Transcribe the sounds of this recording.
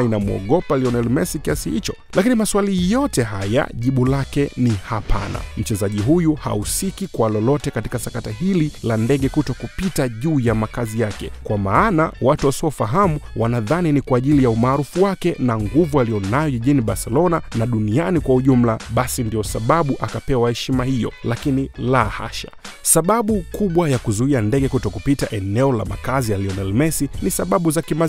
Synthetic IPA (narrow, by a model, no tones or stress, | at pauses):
inamuɔ̰ɠɔpaliɔnɛlimɛsikiasihḭt͡ʃɔ | lakinimaswalijɔtɛɦaja̰ʄiɓulakɛnihapʰa̰na̰m̩t͡ʃɛzaʄiɦujuha̰usikikwalɔlɔtɛkati̥kasakatahililandɛɠɛkutɔkupitaʄuːjamakazijakɛ̰kwamaːna̰watuwasiɔfaɦamuwanaðaninikwaːʄilijaumaːɾufuwakɛnaŋɡuvualijɔnajɔʄiʄiniɓaɾsɛlɔnanaɗunianikwauʄum̩laɓasindiɔsaɓaɓuʔakapɛwahɛʃimahijɔ̰lakinilaha̰ʃḁ̰ | saɓaɓukuɓwajakuzuiandɛɠɛkutɔkupitaʔɛnɛɔla̰ma̰kazialiɔnɛlmɛsinisaɓaɓuzakima